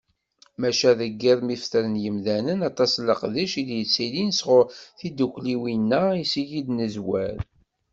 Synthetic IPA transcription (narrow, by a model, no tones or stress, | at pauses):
mæʃæðəɡːiðˤmifθəɾənjəmðænənɑt̪ˤɑsləqðiʃid̪jət͡sːilinsʁʊɾθid̪ukʷliwinːæisijid̪nəzwæɾ